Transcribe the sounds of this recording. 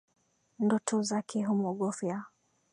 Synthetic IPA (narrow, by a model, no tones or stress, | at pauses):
ndɔtʰɔzakʰɛɦumɔɠɔfja